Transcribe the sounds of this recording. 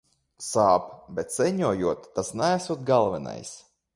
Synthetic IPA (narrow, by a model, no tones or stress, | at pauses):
saːpbʲɛt̪sɛɲuɔjuɔt̪ːasnæːsuɔt̪̚ɡalˠvɛna̰js